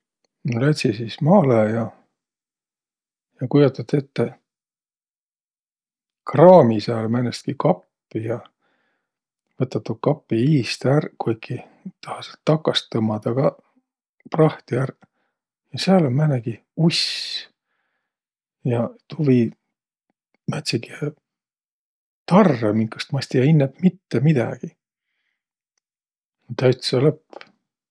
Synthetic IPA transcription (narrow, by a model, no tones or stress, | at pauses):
nlæt̪ʲsisiːsmɑːlejɑ | jɑkujot̪ːˑɑt̪ːet̪ːe | krɑːmisæːlmænest̪̚kikɑpːijɑ | vɤt̪ːˑɑt̪ːukɑpːiiːst̪ærkujkʰːi | t̪ɑhɑselt̪ːɑkːɑst̪ːɤmːɑd̪ɑɡ̥ɑ | prɑht̪iær | jɑseɑlolmæneɡ̥i | us | jɑt̪uvi | mæt̪ʲsiɡie | t̪ɑrːemiŋkːˑu̥st̪mɑsʲt̪ijɑinːepmit̪ːemid̪̥ɑ̰ɡ̥i | t̪ːæɥt̪sɑlɤpː